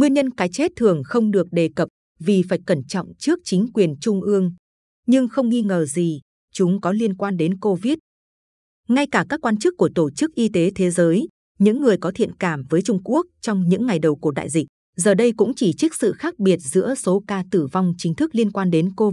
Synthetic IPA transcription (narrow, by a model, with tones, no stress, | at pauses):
ŋwi˧ənɲə˧nkaː˨˦jt͡ɕe˦˥t̚t̪ʰɨ˨˩əŋxə˧wŋ͡mɗɨ˨˩ək̚ɗe˨˩kə˨˩p̚ | vi˨˩faː˧˩jkə˧˩nt͡ɕɔ̰˧˨wŋ͡mt͡ɕɨ˦˥ək̚t͡ɕï˨˦ŋ̟kwi˨˩ənt͡ɕʊ˧ŋ͡mʔɨ˧əŋ | ɲɨ˧ŋxə˧wŋ͡mŋi˧ŋəː˨˩zi˨˩ | t͡ɕʊ˨˦ŋ͡mkɔ˨˦li˧ənkwaː˧nɗe˨˦nko˧vi˦˥t̚ | ŋa˧jkaː˧˩kaː˦˥kːwaː˧nt͡ɕɨ˦˥kːu˧˩ət̪o˧˩t͡ɕɨ˦˥k̚ʔi˧t̪e˨˦t̪ʰe˨˦zəː˨˦j | ɲɨ̰˧˥ŋːɨ˨˩əjkɔ˨˦t̪ʰḭ˧˨ənkaː˧˩mvəː˨˦jt͡ɕʊ˧ŋ͡mku˦˥ək̚t͡ɕɔ˧wŋ͡mɲɨ̰˧˥ŋːa˨˩jɗə˨˩wku˧˩əɗa̰ː˧˨jzï˨˩k̟̚ | zəː˨˩ɗə˧jkʊ̰˧˥ŋ͡mt͡ɕi˧˨˩t͡ɕi˦˥k̚sɨ̰˧˨xaː˦˥k̚ɓi˨˩ət̚zɨ̰˧˥əso˨˦kaː˧t̪ɨ˧˩va˧wŋ͡mt͡ɕï˨˦ŋ̟t̪ʰɨ˦˥k̚li˧ənkwaː˧nɗe˨˦nko˧